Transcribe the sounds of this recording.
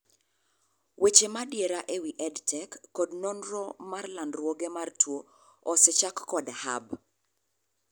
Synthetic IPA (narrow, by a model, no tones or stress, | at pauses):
wʔet͡ʃemadjeɾaʔewiʔɛdtʰɛkːɔdnonɾɔmarlandɾwoɡemartʰwo | ɔsɛt͡ʃakːɔdha̰b